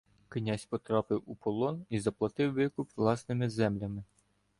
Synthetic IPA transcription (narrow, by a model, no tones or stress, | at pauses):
knʲasʲpɔt̪ɾɑpɪwupɔlˠɔnizɐplˠɐt̪ɪwːɪkʊpʋlˠɑsnɪmɪzɛmlʲɐmɪ